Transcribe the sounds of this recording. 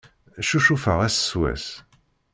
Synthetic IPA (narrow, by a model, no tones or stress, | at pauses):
ʃuʃufəʁæsswæ̰s